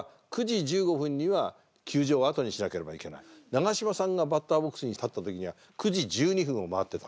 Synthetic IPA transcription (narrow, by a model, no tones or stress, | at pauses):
kɯ̟d͡ʑid͡ʑɨːɡo̞ɸɯ̟̃ɲ̟ːiβa | kʲʰɨːʑo̞ːat̪o̞ɲ̟iɕinake̞ɾe̞ba̰ike̞na̰inaɡaɕimasãŋɡabat̪ːaːbo̞kːɯ̥sɨɲ̟it̪at̪ːat̪o̞kʲiɲ̟iβa | kɯʑid͡ʑɨːɲ̟iɸɯ̟̃ɰ̃o̞maat̪ːe̞t̪ḁ